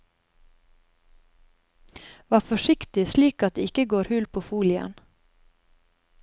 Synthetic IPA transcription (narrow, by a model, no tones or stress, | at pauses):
ʋɑːfɔʃɪkt̪ɪsliːkɑt̪̚d̪eːɪkəɡoːɾhʉlpʰoːfuːlɪə̰n